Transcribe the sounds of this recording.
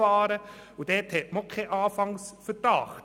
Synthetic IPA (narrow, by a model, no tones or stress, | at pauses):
ɑːɾəud̥ɛːthɛtmɔkʰχeʔɑːfɑŋsfədɑːχ